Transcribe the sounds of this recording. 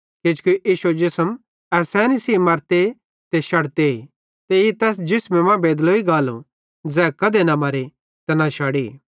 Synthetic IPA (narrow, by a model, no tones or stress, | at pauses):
kɪd͡ʒkuʔiːʃed͡ʒɪsəm | ɛsɛːnisiːmɐɾt̪e | t̪eʃɐɽt̪e | t̪eit̪ɛːs̬d͡ʒɪsmẽmɐ̃beːd̪loiɡaːlṵ̃ | d͡zɛːkɐd̪enɐmɐɾe | t̪ɐnãʃaːɽi